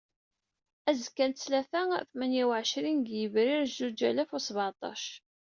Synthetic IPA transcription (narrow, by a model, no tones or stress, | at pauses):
æzkːænt̪slæθæθmænjæwʕʃɾinɡjəvɾɪɾzud͡ʒæ̰læfusˤβʕɑt̪ˤɑ̰ʃ